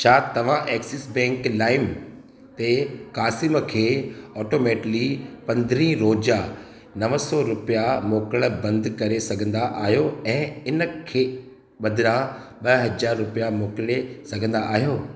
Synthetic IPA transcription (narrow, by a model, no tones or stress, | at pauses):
t͡ɕʰaːt̪ɐʋ̤ãʔeːksɪsbɛ̃ːŋklaːɪm | t̪ekaːsɪmkʰeːɔːʈoːmeːʈlipɐ̃nd̪ɾĩːɾoːd͡ʑa | nɐʋəsɔɾʊpijamoːkəɽ̃bɐ̃nd̪kɐɾesɐɡʱə̃nd̪aʔaːɦijoɛ̃ːɪnə̆kʰeː | ɓɐd̪ʱɪɾã | ɓɐɦɐd͡ʑaːɾːʊpijamoːklesɐɡʱə̃nd̪aʔːɦijoː